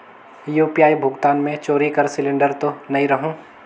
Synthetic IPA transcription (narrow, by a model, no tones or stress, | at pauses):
juːpijaːibʱʊɡt̪aːnmẽt͡ʃoːɾikɐɾsɪlɪ̃ɳɖəɾt̪onɐɦĩɾɐɦũː